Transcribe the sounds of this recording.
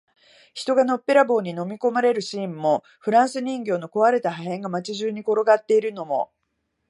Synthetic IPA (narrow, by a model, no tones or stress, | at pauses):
çi̥t̪o̞ɡano̞pːe̞ɾabo̞ːɲ̟ino̞mʲiko̞maɾe̞ɾɯ̟ɕĩːmːo̞ | ɸɯ̟ɾãɰ̃sɨɲ̟ĩŋɡʲo̞ːno̞ko̞βaɾe̞t̪aɦaɦẽ̞ŋɡamat͡ɕiʑɨːɲ̟iko̞ɾo̞ɡat̪ːe̞iɾɯ̟no̞mo̞̰